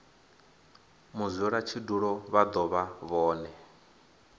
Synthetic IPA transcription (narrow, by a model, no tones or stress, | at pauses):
muzʷɔɺat͡ʃʰiduɺɔβad̪ɔβaβɔːnɛ